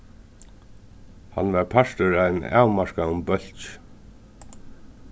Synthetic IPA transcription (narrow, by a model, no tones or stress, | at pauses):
ha̰nvaɾpʰaʂt̪ʏɾajna̰ːwmaɹkaʊmbœl̥t͡ʃ